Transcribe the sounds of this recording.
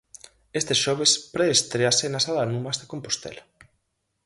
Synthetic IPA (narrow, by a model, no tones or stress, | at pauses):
est̪eʃɔβ̞espɾeːst̪ɾeasenasaðanumazðekompost̪ḛla